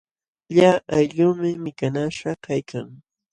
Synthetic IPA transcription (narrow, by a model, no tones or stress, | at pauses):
ʎaːajʎʊmɪmɪkanaʃakajkʰaŋ